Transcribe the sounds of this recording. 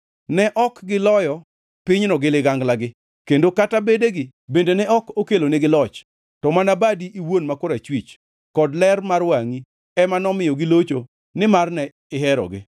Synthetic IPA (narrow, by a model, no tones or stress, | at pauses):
nɛʔɔkɡɪlɔjɔ | pɪɲnɔɡɪlɪɡaŋɡlaɡɪ | kendokatabedeɡɪ | bendenɛɔkokeloneɡɪlɔt͡ʃ | tɔmanabadiʔiwonmakʊɾat͡ʃwit͡ʃ | kɔdlɛrmarwaŋi | ɛmanɔmɪjɔɡɪlot͡ʃo | nɪmarnɛ | ɪɦɛɾɔ̰ɡɪ̰